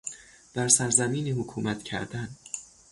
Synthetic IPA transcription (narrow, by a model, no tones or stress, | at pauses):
d̪̥æɾsæɾzæmiːniːhokʰuːmæt̪ʰcʰæ̰ɾd̪æn